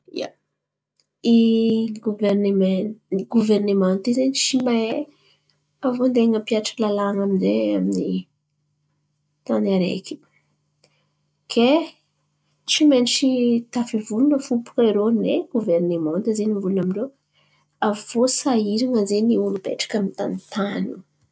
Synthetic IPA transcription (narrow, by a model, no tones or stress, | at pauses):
ḭja̰ | iɡuvernemɡuvɛrnemãnt̪izeniʃimae | avond̪eŋəpiaʈ͡ʂə̥klalaaŋamineamini | t̪anaɾḛki̥ | kʰe | t͡ʃimenʈ͡ʂit̪afivulunəfupu̥keɾoneɡuvɛrnemãt̪ezenivulunamiɳɖ͡ʐew | av̥osaiɾiŋəzeniulupḛʈ͡ʂə̥kamint̪a̰nit̪anu